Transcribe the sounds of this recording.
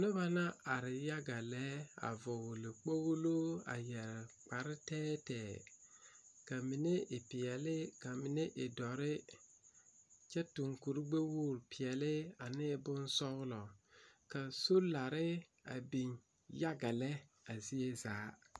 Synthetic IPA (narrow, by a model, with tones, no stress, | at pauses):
nɪ˦ba˦na˦a˨ɾɪ˨ja˦ɡa˨lɛ˦a̰˨vʊ˨wlɪ˨k͡po˦ɣu˦lo˦a̰˨jɛ˨ɾk͡pa˨ɾɪ˦tɛː˦tɛː˨ | ka˨mi˨ne˦ʔɪ˨pɪ˨jɛ˨lɪ˦ka˨mi˨ne˦ʔɪ˨dɔ˨ɾɪ˦ | t͡ʃɛ˦tu˨ŋku˨ɾɡ͡be˦wuː˦˨ɾpɪ˨ɛ˨lɪ˦a˨nɪː˦bʊ˦n˦sɔ˦ɣlɔ˨ka˨so˦la˨ɾɪ˦ | a̰˨bi˨n | ja˦ɡa˨lɛ˦ | a˨zi˦e˦zaː˨˦